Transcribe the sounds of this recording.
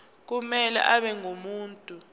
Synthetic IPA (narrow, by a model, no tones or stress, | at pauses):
k̬umɛlɛ̰ʔaɓɛŋomuːntʼu